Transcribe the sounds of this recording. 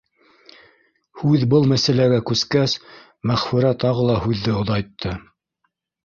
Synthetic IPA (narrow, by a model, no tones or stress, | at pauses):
hʉðbɤlˠmæsælæɡækʉskæs | mæχfɵ̆ɾæt̪ɑʁɤlˠɑhʉðːɘŏðɑjt̪ʰːɤ